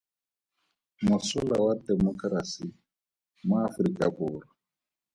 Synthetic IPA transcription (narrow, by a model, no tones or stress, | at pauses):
musulawadɛmɔkɾasi | maːfɾikʼabuːɾɔ